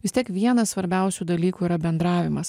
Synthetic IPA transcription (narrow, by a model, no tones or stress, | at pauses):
ʋʲɪst̪ʲiɛkʋʲiɛnɐssʋɐɾʲbʲɛʊsʲuːd̪ɐlʲiːkuːiɾɐbʲɛnd̪ɾɑːʋʲɪmɐs